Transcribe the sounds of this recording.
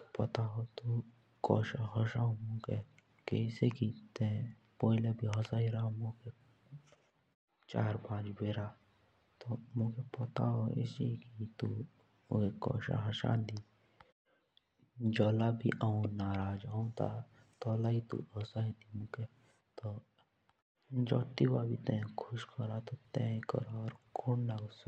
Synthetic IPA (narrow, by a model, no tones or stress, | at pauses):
pɐt̪aɦot̪u | kɔ̰ːʃaɦɔʃaõmũke | kḛɪsekit̪ɛ̃ | poːilebʱiɦɔsaːɦiɾaːmũke | t͡ʃa̰ːɾbãːd͡ʒbeːɾaː | t̪omũkepɐt̪aɦoɪ̰sikit̪u | ekɔ̰ːʃa̰ɦaʃã̰ːnd̪i | d͡ʒɔːlaːbʱḭʔaũnaːɾaːd͡ʒãũt̪a̰ | t̪ɔːlait̪ṵɔːsaɦid̪imuke | t̪o | d͡ʒɔːt̪iwabʱit̪ɛ̃kʰʊʃkʰɔɾat̪ɔt̪ɛ̃kɔ̰ɾaɔːɾkʰunnaɡsa